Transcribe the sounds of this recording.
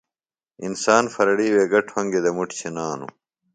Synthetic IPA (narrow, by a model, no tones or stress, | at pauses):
insaːnfɐɾɐɽiːweːɡɐʈʰhɐŋɡed̪ɐmuʈt͡ɕʰenaːnṵ